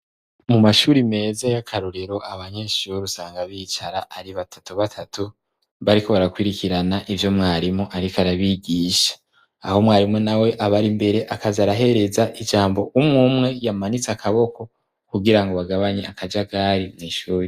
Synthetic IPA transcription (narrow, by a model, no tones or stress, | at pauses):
mumaʃuɾime̞ːzajakʰaɾoɾeɾo̞aβaɲe̞ːʃuɾusaːŋɡaβit͡ʃaɾaʔaɾiβatʰḁtuβatʰatu | βaɾiko̞βaɾakwiɾikiɾanaʔivjo̞mŋaːɾimoʔaɾikaɾaβiɡiːʃḁː | ho̞mŋaːɾimonawe̞ʔaβaɾimbe̞ɾe̞ʔakazaɾaɦe̞ɾe̞zaʔid͡ʒaːmbo̞ʔumŋuːmŋe̞jamanit͡sakaβo̞ko̞ | kuɡiɾaŋɡo̞βaɡaβaɲeakad͡ʒaɡaɾimŋiːʃuːɾi